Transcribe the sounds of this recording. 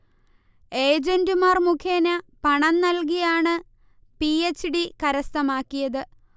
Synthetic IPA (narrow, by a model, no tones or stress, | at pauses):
e̞ːd͡ʑendɨmaːrmukʰjeːnɐpɐɳɐnnɐlk̬ijaːɳɨ | piet͡ɕːɨɽikɐɾɐst̪ɐmaːkːijɐðɨ